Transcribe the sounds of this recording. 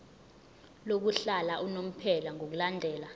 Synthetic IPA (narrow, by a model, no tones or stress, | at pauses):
lok̬uɬalaʔunom̩pʰɛlaŋok̬ulandʱɛːla